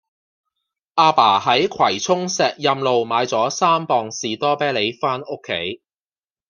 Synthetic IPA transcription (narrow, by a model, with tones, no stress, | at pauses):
ʔaː˧paː˨˩hɐ˨˥jkʰwɐ˨˩jt͡sʰʊ˥ŋsɛː˨k̚jɐ˧mlo˨wmaː˨˧jt͡sɔː˨˥saː˥mpɔː˨ŋsiː˨t̪ɔː˥pɛː˥le˨˧jfaː˥nʊ˥kʰːḛ˨˥j